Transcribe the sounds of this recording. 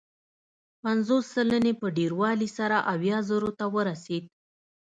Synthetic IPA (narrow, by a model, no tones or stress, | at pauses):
panzosːələnepəɖeɾwɑlisaɾaʔawjɑzəɾot̪awəɾased̪̚